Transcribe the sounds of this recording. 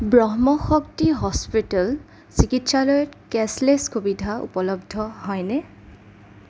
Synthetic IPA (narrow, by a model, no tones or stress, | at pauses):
bɹɔɦmɔxɔktiɦɔspital | sikitsalɔjɔtkɛsleskubidʱaṵpɔlɔb̚dʱɔhɔjnɛ